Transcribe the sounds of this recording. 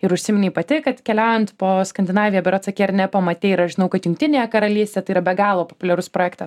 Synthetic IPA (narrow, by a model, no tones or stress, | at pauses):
ɪɾʊʃʲsʲɪmʲɪnʲiːpɐt̪ʲɪkɐt̪kʲɛlʲæʊjɛnt̪poːskɐnʲd̪ʲɪnɑːʋʲɪjɛːbʲɛɾotsɐkʲeːɐɾnʲɛpɐmɐt̪ʲeːɪɾɐʃʒʲɪnɐʊkɐt̪jʊŋkt̪ʲɪnʲeːjɛkɐɾɐlʲiːsʲt̪ʲeːt̪ɐɪiɐbʲɛɡɑːlˠoːpoːpʊlʲɛɾʊspɾoːjɛːkt̪ɐs